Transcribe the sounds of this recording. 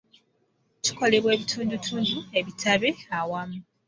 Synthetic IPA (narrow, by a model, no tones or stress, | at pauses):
ci̥ko̞le̞βwe̞ːβitʰuːndutʰuːndue̞βitʰaβeawamu